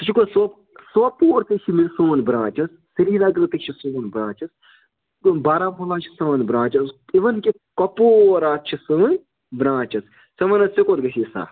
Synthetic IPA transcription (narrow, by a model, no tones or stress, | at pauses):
t̪ɐt͡ʃʰikosop | sopoːɾt̪ɐt͡ʃʰimisoːnbɾãːt͡ʃɐsːiɾiːlaɡlɐt̪ɐkʃʰisuːnbɾãːt͡ʃɐs | baːɾaːmɦolaːt͡ʃʰi̥sɐʋɐnbɾãːt͡ʃɐsiʋɐnki | kɐpoːɾaːt̪̚t͡ʃʰisɨnʲ | bɾãːt͡ʃɐs | sɐʋɐnɐsikot̪ɡɐsʲisa̰ː